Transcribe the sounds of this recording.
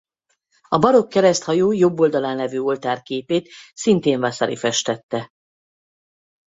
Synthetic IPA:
ɒbɒɾo̞kːɛɾɛst̪hɒjoːjo̞bːo̞ld̪ɒlaːnlɛvyːo̞lt̪aːrkeːpeːt̪sint̪eːɱvasɒɾḭfɛʃt̪ɛt̪ːɛ

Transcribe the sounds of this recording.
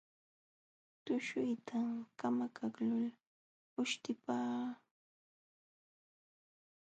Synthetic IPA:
t̪ʊʃʊjt̪ʰakamakʰaklʊl | ʊʃt̪ɪpaː

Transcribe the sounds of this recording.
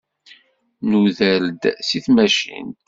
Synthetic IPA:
nuðəld̪siθmæʃḭn

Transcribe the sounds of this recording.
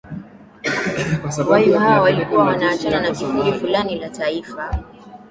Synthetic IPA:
wwaimawɔwalikuwawanaːt͡ʃananasikuɾifulanilataifa

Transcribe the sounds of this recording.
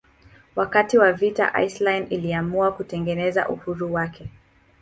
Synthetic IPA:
wakatiwavita̰ʔa̰jslajniliamuakutɛŋɡɛnɛza̰ʔuhuɾuwakʰɛ

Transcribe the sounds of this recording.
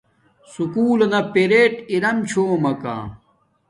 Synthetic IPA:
sukuːlɐnɐpeɾeːʈiɾɐmt͡ɕʰoːmɐka̰ː

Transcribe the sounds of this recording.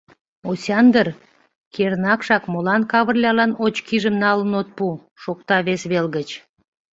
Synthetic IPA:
osʲɑnd̪ər | kernɑkʃɑkmolɑnkɑβərlʲɑlɑnot͡ɕkiʒəmnɑlənot̪̚pu | ʃokt̪ɑβesβelɣət͡ɕ

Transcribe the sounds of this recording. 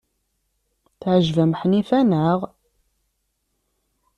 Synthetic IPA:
θʕʒvæmħnifænəʁ

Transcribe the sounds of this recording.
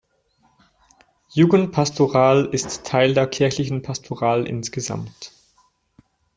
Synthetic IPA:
juːɡən̩tpʰastʰoʁaːlɪstʰːaɪldeːɐkʰɪɐçlɪçn̩pʰastʰoʁaːlʔɪ̰nsɡ̥əza̰mt

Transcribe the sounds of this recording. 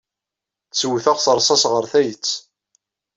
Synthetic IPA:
θswθæʁsəɾˤsˤɑsʁəɾθæjət͡sː

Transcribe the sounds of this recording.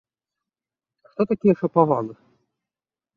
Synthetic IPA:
xt̪ɔt̪akʲijɛʂɐpavanɨ

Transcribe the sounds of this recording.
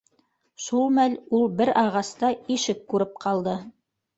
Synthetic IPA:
ʃulˠmælulˠbɘɾɑʁɑst̪ɑiʃɘkːʉɾɘp̚qʰɑlˠd̪ɤ

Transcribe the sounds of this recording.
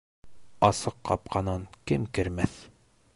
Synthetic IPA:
ɑsɤqːɑp̚qɑnɤnkɘmkɘ̆ɾmæθ

